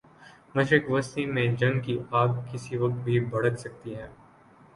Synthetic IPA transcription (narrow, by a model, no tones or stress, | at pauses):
mɐʃɾɪkʋɐst̪imẽd͡ʒɐ̃ŋɡkiaːɡ̚kɪsiʋɐk̚t̪̚bʱibɐɽəksɐk̚t̪iɦɛ̃ː